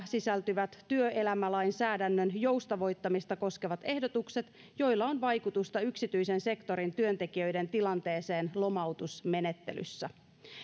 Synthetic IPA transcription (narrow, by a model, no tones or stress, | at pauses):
sisælt̪yʋæt̪tyøʔe̞læmælɑjnsæːdænːønjo̞ust̪ɑʋo̞jt̪ːɑmist̪ɑko̞skeʋɑt̪e̞hdo̞t̪ukse̞t̪ | jo̞jlːɑonʋɑjkut̪ust̪ɑyksit̪yise̞nse̞kt̪o̞ɾint̪yø̞nt̪e̞kiø̞jde̞nt̪ilɑnt̪e̞ːse̞ːnlo̞mɑwt̪usme̞ne̞t̪ːe̞̰ly̰sːæ